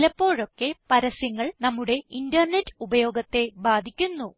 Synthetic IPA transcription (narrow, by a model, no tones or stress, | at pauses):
lɐpːo̞ːɻo̞kːe̞pɐɾɐsjɐŋːɐɭnɐmːuɽe̞indɐrne̞tːɨ̥ubɐjo̞ːɡɐt̪ːe̞baːd̪ʱikʲːunːu